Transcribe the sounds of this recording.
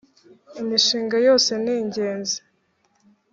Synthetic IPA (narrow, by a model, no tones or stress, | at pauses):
imiʃiːŋɡajo̞ːse̞niːɲɟe̞ːnze